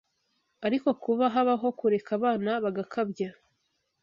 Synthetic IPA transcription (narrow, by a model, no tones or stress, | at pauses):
aɾiko̞kuβaɦaβaɦo̞kuɾe̞kaβaːnaβaɡakʰabja